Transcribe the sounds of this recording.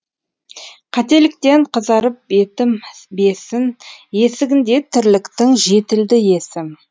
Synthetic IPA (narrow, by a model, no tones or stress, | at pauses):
qʰɑt̪e̞lɪk̚t̪e̞ɴqʰəzɑɾəp̚e̞t̪ɪmbe̞sɪnje̞sɪɡʲɪnd̪e̞t̪ʰɪɾlɪkt̪ɪŋʒe̞t̪ɪld̪ɪje̞sɪm